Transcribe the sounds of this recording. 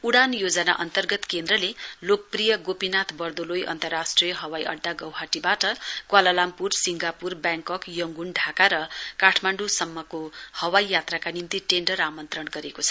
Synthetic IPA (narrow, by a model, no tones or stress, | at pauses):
uɽanjod͡zʌna̰ʔʌnt̪ʌrɡʌt̪kend̪ɾʌlelok̚prijʌɡopinat̪ʰbʌrd̪olojʔʌ̰nt̪ʌrasʈrijʌɦʌwajʔʌ̰ɖːaɡʌwɦaʈibaʈʌkwalʌlampursiŋɡapurbjãŋkʌkjʌŋɡunɖʱakaɾʌkaʈʰmaɳɖusʌmːʌkohʌwajjat̪rakanimt̪iʈenɖʌɾamʌnt̪rʌɳɡʌɾekot͡sʰʌ̥